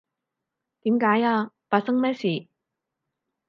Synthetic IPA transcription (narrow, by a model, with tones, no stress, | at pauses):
t̪i˨˦mkaː˨˥jaː˧pa˨sə˥ŋmɛ˥si˨˩